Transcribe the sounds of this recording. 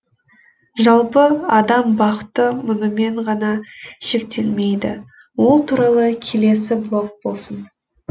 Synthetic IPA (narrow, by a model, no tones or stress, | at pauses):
ʒɑlˠpəɑd̪ɑmbɑqət̪ːəmʊnəme̞ɴʁɑnɑʃe̞k̚t̪ʰe̞lme̞jd̪ɪ | wo̞lˠt̪ʰuɾɑlˠəkʲʰe̞le̞sɪblˠo̞k̚bo̞lˠsən